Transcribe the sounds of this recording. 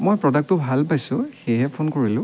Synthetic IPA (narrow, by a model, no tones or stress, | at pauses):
mojpɹɔdak̚tʊbʱalpajsʊ̃xejɦɛpʰonkoɹilʊ̃